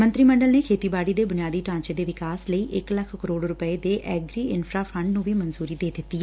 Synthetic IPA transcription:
mə̃nt̪ɾiːməɳɖəlneːkʰeːt̪iːbaːɽiːd̪eːbʊnijaːd̪iːʈãːɲt͡ʃeːd̪eːʋɪkaːsləiːʔɪkləkʰkəɾoːɽɾʊpəeːd̪eːʔɛːɡɾiːɪnpʰɾaːpʰə̃ɳɖnũːʋiːmənzuːɾiːd̪eːd̪ɪt̪ːiːɛː

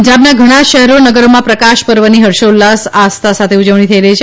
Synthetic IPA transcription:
d͡ʒabnaɡʱəɽ̃aʃəɦɾonəɡəɾomãpɾəkaʃpəɾʋəniɦəɾʃolːasast̪ʰasat̪ʰeud͡ʒəʋɳ̃it̪ʰəiɾəɦit͡ʃʰe

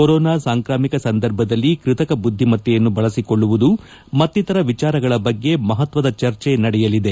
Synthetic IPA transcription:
koɾɔːnaːsaːŋkɾaːmikɐsɐnd̪ɐɾbʱɐd̪ɐlːikɾɪt̪ɐkɐbud̪ʱːimɐt̪ːjɛjɐnːubɐɭɐsiko̞ɭːuʋud̪u | mɐt̪ːit̪ɐɾɐʋit͡ʃaːɾɐɡɐɭɐbɐɡːe̞mɐɦɐt̪ʋɐd̪ɐt͡ʃɐɾt͡ʃe̞nɐɽɛjɐlid̪e̞

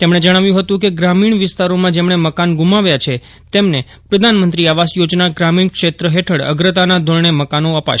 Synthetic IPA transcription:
t̪emɽ̃ed͡ʒəɽ̃aʋjũɦət̪ũkeɡɾamiɳ̃ʋɪst̪aɾomãd͡ʒemɳ̃eməkanɡumaʋjat͡ʃʰe | t̪emne | pɾəd̪ʱanmənt̪ɾiaʋasjod͡ʒnaɡɾamiɳkʃet̪ɾəɦeʈʰəɽə̰ɡɾət̪anad̪ʱoɭɳ̃eməkanoəpa̰ʃ

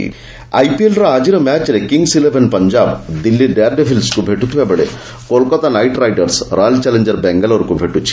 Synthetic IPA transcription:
ɐ̰jpielɾɐaːd͡ʒiɾɐmaːt͡ʃɾekiŋɡsilebʰʱenpɐɲd͡ʒaːbd̪ilːiɖeːɾɖepʰilskubʱeʈːut̪uʋebɐɭḛ | kolkɐt̪anɐjʈɾɐjʈɐɾsɾʔaːlt͡ʃɛleɲd͡ʒɐɾbɛŋɡɐlɐʋɐɾkubʱeʈːut͡ʃːi̥

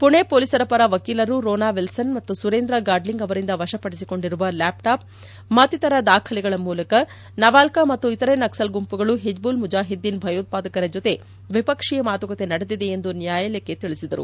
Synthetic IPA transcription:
puɳe̞poːlisɐɾɐpɐɾɐʋɐkiːlɐɾuɾoːnaːʋilsɐnmɐt̪ːusuɾeːnd̪ɾɐɡaːɖliŋɡɐʋɐɾind̪ɐʋɐʃɐpɐɽisiko̞ɳɖiɾuʋɐlaːpʈaːp̚ | mɐt̪ːit̪ɐɾɐd̪aːkʰɐlɛɡɐɭɐmuːlɐkɐ | nɐʋaːlkɐmɐt̪ːuit̪ɐɾenɐksɐlɡumpuɡɐɭuɦed͡ʒbuːlmud͡ʒaːɦid̪ːinbʱɐjɐut̪̚paːd̪ɐkɐɾɐd͡ʒot̪e̞ | ʋipɐkʂijɐmaːt̪uɡɐt̪e̞nɐɽed̪id̪e̞ːnd̪unjaːjɐlekːe̞t̪iɭisid̪ɐɾṵ

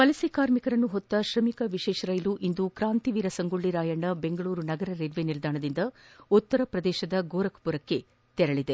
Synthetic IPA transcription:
pɐlɐsikaːɾmikɐɾɐnːuɦɔt̪ːɐʃɾɐmikɐʋiʃɛːʃɐɾɐjluʔind̪ukɾaːnt̪iʋiːɾɐsɐŋɡuɭːiɾaːjɐɳɖɐbe̞ŋɡɐɭuːɾunɐɡɐɾɐɾeɾʋenild̪aːɳɐd̪ind̪ɐut̪ːɐɾɐpɾɐd̪ɛːʃɐd̪ɐɡoːɾɐkɐ̥puɾɐkːe̞ | t̪ɛɾɐɭid̪e

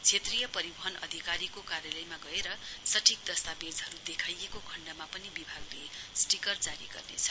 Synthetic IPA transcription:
t͡sʰet̪rijʌpʌɾibʌɦʌnʌ̰d̪ʱikaɾikokaɾjalʌjmaɡʌeɾʌsʌʈʰik̚d̪ʌst̪abed͡zɦʌɾud̪ekʰajekokʰʌɳɖamapʌnibibʱaɡlesʈikʌrd͡zaɾiɡʌ̰rnḛt͡sʰʌ̥

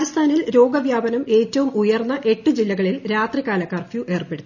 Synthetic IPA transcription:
ɐst̪ʰaːnilɾo̞ːɡɐʋjaːbɐnɐme̞ːtːɐʋumujɐrnːɐʔe̞ʈːɨd͡ʑilːɐɣɐɭilɾaːt̪rikaːlɐkːaːrfjuʔe̞ːrpe̞ɽut̪ː

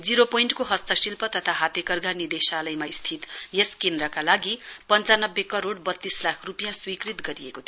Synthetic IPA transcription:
d͡ziɾopoiɳʈkoɦʌst̪ʌsilpʌt̪ʌt̪ʰaɦat̪jekʌrɡanid̪esalʌjmaist̪ʰit̪jeskend̪ɾʌkalaɡipʌnt͡sanʌbːekʌɾoɽbʌt̪ːislakʰrupijãswikɾit̪ɡʌɾieko

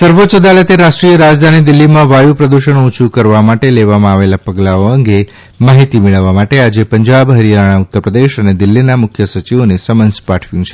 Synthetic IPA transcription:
səɾʋot͡ʃəd̪alət̪eɾaʃʈɾijəɾad͡ʒd̪ʱanid̪ɪlːimãʋajupɾəd̪uʃəɳ̃ut͡ʃʰukəɾʋamaʈeleʋamãaʋelapəɡlaoəŋɡe | maɦit̪imeɭəʋːamaʈead͡ʒepəɲd͡ʒabɦəɾijaɽ̃aʊt̪ːəɾpɾəd̪eʃəned̪ɪlːinamʊkʰjəsət͡ʃiʋonesəmənspaʈʰʋjũt͡ʃʰe

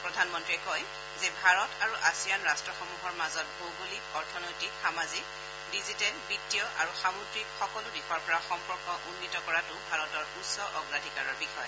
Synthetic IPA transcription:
pɹɔdʱanmɔntɹiɛkɔj | zɛbʱaɹɔtaɹuʔasijanɹastɹɔxɔmuɦɔɹmazɔt̚bowɡolikɔɹtʰɔnojtikxamazik | dizitɛlbitːijɔʔa̰ɹuxamudɹikxɔkɔlʊbixɔjɔpɔɹaxɔmpɔɹkɔʔunːitɔkɔɹatʊbʱaɹɔtɔɹusɔʔɔɡɹadʱikaɹɔɹbixɔjɔ

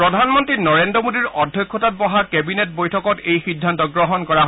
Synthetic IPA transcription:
pɹɔdʱanmɔntɹinɔɹendɔmodiɹɔdʱjɔkʰːɔtat̚bɔɦakɛbinet̚bojtʰɔkɔtejxidʱːantɔɡɹɔɦɔnkɔɹaɦ

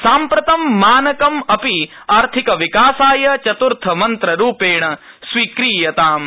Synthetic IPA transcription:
saːmpɾɐt̪ɐmːaːnɐkɐmɐpi | aːɾt̪ʰikɐʋikaːsaːjɐt͡ʃɐt̪uɾt̪ʰɐmɐnt̪ɾɐɾuːpeːɳɐ | sʋiːkɾiːjɐt̪aːm

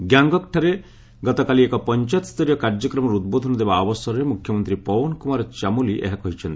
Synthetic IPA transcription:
ɡjaŋɡɔkʈʰaɾe | ɡɔt̪ɔkaliekɔpɔnt͡ʃat̪st̪ʰɔɾjɔkaɾd͡ʒɔkɾɔmɔɾud̪̚bod̪ʱɔnɔd̪ebaːbɔsɔɾɔɾemukʰjɔmɔnt̪ɾipɔwɔnkumaɾɔt͡ʃamuliʔḛɦakɔɦit͡ʃʰɔnt̪i

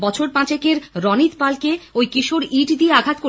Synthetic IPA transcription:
bɔt͡ɕʰoɾpãt͡ɕekeɾɾɔnit̪palkeojkiʃoɾiʈd̪ieaɡʱat̪ko

